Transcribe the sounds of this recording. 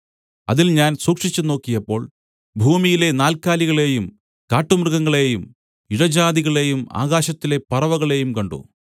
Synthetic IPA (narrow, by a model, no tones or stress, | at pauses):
ɐ̰ðilɲaːnsuːkʂit͡ɕːuno̞ːkːijɐpːo̞ːɭ | bʱuːmijile̞naːlkaːliɣɐɭe̞ːjum | kaːʈːumrɨɣɐŋːɐɭe̞ːjum | iɻɐd͡ʑaːðiɣɐɭe̞ːjuma̰ːɣaːɕɐt̪ːile̞pɐrɐʋɐɣɐɭe̞ːjumkɐɳɖṵ